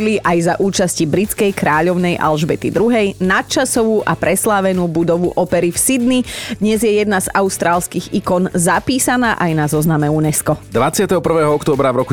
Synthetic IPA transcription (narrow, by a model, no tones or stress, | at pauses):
liʔajzaʔuːt͡ʃascibɾit͡skɛjkɾaːʎɔʊnɛjʔa̰lʒbɛt̪ḭd̪ɾuɦɛjnat̪̚t͡ʃasɔʋuːʔapɾɛslaʋɛnuːbud̪ɔʋuʔɔpɛɾifsid̪nid̪ɲɛzjɛjɛd̪nazaʊst̪ɾaːlskiːɣikɔnzapiːsanaːʔajnazɔznamɛunɛskɔd̪ʋat͡sɪat̪ɛɦɔpr̩ʋɛːɦɔɔkt̪ɔːbɾavɾɔku